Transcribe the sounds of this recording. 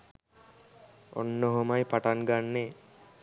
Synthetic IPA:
o̰nːoɦomajpaʈanɡanːe

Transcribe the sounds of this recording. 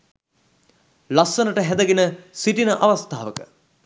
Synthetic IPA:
lasənəʈəɦæd̪əɡenəsiʈinəʔaʋast̪aːʋəkə

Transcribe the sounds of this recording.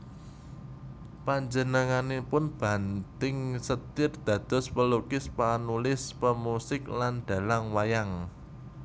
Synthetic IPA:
paɲd͡ʒənəŋanepʊnb̥a̤nt̪ɪŋsət̪ɪrd̪̥ä̤d̪̥ɔ̤spəlokɪspanulɪspəmusɪk̚lanɖ̪̥ä̤laŋwajaŋ

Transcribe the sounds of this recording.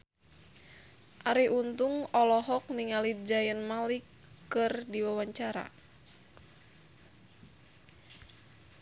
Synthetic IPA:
ʔaɾiʔunt̪uŋɔlɔɦɔk̚niŋalid͡ʒajənmalikː | ɨrdiwawaɲt͡ʃaɾa̰

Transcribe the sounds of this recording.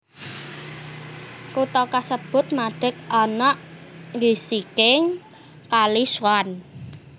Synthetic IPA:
kut̪ɔkasəb̥ʊ̤t̪̚maɖ̥ɪ̤k̚ɔnɔʔɡisikɪŋ | kaliswan

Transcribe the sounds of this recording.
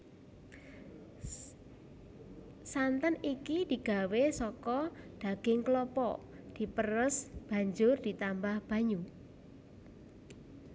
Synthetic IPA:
sant̪ənikid̪̥i̤ɡ̥a̤wesɔkɔd̪̥a̤ɡ̥ɪŋklɔpɔ̰ʔ | d̪̥i̤pərəsb̥ä̤ɲd͡ʒʊrd̪̥i̤t̪ambahb̥ä̤ɲu

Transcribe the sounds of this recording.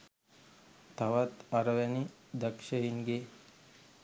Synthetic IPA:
t̪aʋat̪aɾəʋɛnid̪əkʃəiŋɡe

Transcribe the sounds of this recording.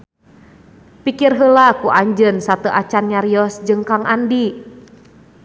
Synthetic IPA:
pikirɦəlakuʔaɲd͡ʒənsat̪əʔat͡ʃanɲaɾiɔsd͡ʒɨŋkaŋʔandi

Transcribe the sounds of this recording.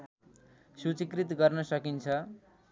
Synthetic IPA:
sut͡sikrit̪ɡʌrnʌsʌkint͡sʰʌ

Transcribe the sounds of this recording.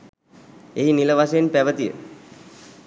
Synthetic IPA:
eɦiniləʋaseenpæʋət̪ijə̰

